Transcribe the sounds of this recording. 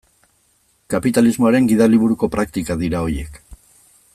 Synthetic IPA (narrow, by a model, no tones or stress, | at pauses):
kapit̪alizmo̞aɾe̞ŋɡiðaliβuɾuko̞pɾakt̪ikaðiɾao̞je̞k